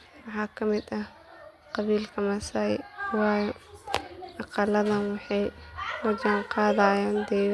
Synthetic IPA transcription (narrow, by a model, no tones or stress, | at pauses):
wɑħɑːkʰɐmɪd̪ɐ | qɑβiːlkʰɐmɐsawɑːjɛ | ʔɑqɑlɐðɐnwɑħɑjmɐd͡ʒɐŋqɑːðaːjaːnd̪ɛ